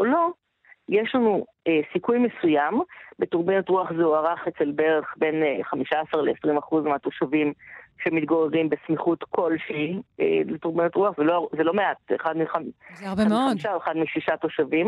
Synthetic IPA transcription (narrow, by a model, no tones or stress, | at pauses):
olo̞ | jeʃlanu | esikujmesujambetuʁbenotʁuaχzeuaʁaχet͡se̞lbeʁeχbe̞nχamiʃaasaʁleːsʁimaχuzmeato̞ʃavimʃemitɡoʁeʁimbesmiχutkʰo̞lʃeiḛletuʁbenotʁuaχzelozelo̞meatḛχadmiχazabemioaiʃaoeχadmiʃiʃatoʃavim